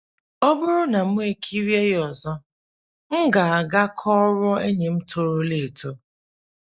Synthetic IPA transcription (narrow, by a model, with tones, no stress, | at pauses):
ɔ˦bʊ˦ɾʊ˦na˨m̩˦e˨kʰi˦ɾje˦jjɔ˨zɔ˦ | ŋ̩˦ɡa˨a˨ɡa˦kʰɔ˦ɾɔ˦e˦ɲe˨m̩˦to˦ɾʊ˦le˨to˦